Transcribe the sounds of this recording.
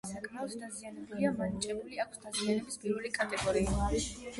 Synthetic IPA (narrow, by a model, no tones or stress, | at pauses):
sakʼmaɔsd̪azianɛbuliamanit͡ʃʼɛbuliakʷʰsd̪azianɛbispʼiɾulikʼat̪ʼɛɡɔɾiiaʃ